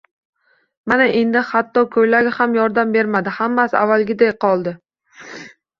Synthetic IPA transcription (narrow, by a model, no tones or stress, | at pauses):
manaʔe̞nd̪ɪhat̪ːɒkʰɵjlaɡʲɪhamjɒɾd̪ambe̞ɾmad̪ɪhamːasɪa̰vːalˠɡʲɪd̪ajqʰɒlˠd̪ɪ